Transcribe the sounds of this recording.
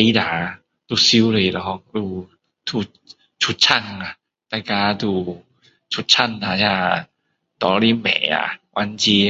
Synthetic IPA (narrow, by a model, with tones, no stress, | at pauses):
e˧˦daː˨˦ | d̪u˧˩si˧˦wle˧˩˨lɔː˧˦k̚duː˧˩ | t̪ʰuː˧˩ | t͡ɕʰu˧t̪̚t͡ɕʰa˧˩ŋa˨˩ | t̪a˧˩kaː˧t̪uː˧˩ | t͡ɕʰu˧˦t̪̚t͡ɕʰa˥˩˨nːa˨˧˩ja˧˩ | t̪ɔː˧ɾi˧˨mɛ̰ː˨˦a̰˧˩wʔa˧nt͡ɕi˧